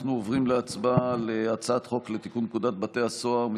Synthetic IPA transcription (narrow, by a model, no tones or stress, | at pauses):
χnuovʁimleat͡sbaleat͡saat̪χo̞kle̞t̪ikunːkud̪at̪̚bat̪e̞haso̞aʁmi